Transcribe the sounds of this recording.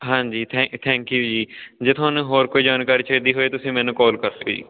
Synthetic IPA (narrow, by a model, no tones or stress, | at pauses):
ɦãːɲd͡ʒiːt̪ʰɛ̃t̪ʰɛ̃ːŋkjuːd͡ʒiːd͡ʒeːt̪ʰʊaːnũːɦoːɾkoːiːd͡ʒaːnkaːɾiːt͡ʃʰeːd̪iːɦoːeːt̪ʊsĩːmɛːnũːkɔːlkəɾd̪eo̰ːd͡ʒḭː